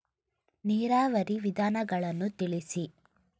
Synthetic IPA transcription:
niːɾaːʋɐɾiʋid̪ʱaːnɐɡɐɭɐnːut̪iɭisi

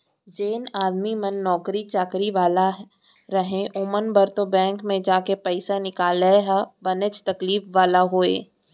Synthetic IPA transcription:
d͡ʒeːnaːd̪mimənːɔːkɾit͡ʃaːkɾiʋaːla | ɾəɦẽʔʊmənbəɾt̪obɛ̃ːŋkmẽd͡ʒaːkepɐɪsanɪkaːlɛɦabɐnet͡ʃt̪ɐkliːfʋaːlaɦoːḛː

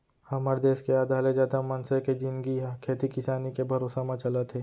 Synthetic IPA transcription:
hɐməɾd̪eːskeaːd̪ʱaːled͡ʒaːd̪amɐnseked͡ʒɪ̃nɡikʰeːt̪ikɪsaːnikebʱɐɾoːsemãt͡ʃɐlət̪ɦɛː

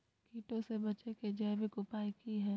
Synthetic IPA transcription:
kʰiːʈõsebɐt͡ʃeked͡ʒɛːʋɪkʊpaːikiɦɛ̃ː

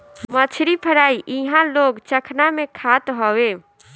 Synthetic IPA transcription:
mət͡ʃʰɾipʰəɽaiʔiɦãloɡt͡ʃəkʰnamekʰat̪ɦɔwe

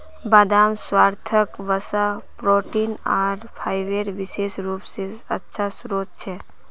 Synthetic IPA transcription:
baːd̪aːmswaːɾt̪ʰəkʋəsapɾoːʈinaːɾpʰaːɪʋeːɾʋɪʃeːsɾuːpseətːʃʰasɾoːt̪̚t͡ʃʰeː

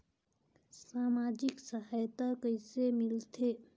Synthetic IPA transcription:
saːmaːd͡ʒɪksəɦaːjt̪akəɪsemɪlt̪ʰeː

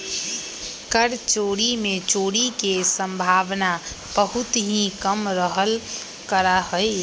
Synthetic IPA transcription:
kəɾt͡ʃoːɽimẽt͡ʃoːɽikesəmbʱaːʋna | b̥əɦʊt̪ɦĩkəmɾəɦəl | kəɾaɦəj

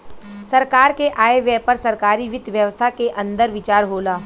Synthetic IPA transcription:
sɐɾkaːɾkeʔaːeʋjɛpɐɾsɐɾkaːɾiʋɪd̪ʱʋjəʋəst̪ʰakeʔɐ̃nd̪əɾʋɪt͡ʃaːɾɦoːlaː

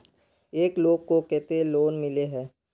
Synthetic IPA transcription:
eːkloːɡ̚kokɛːt̪eloːnmɪleɦɛ̃ː

